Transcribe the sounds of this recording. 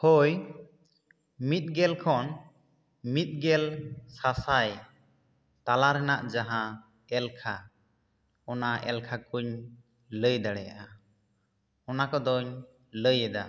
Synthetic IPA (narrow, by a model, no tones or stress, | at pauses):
hɔj | mit̪̚ˀɡɛlkʰɔn | mit̪̚ˀɡɛlsasaj | t̪alaɾɛnaʔd͡ʒaɦã | ɛlkʰa | ɔnaʔɛ̰lkʰakuɲ | ləjd̪aɽɛja̰ʔa | ɔnakɔd̪ɔɲ | ləjɛd̪a̰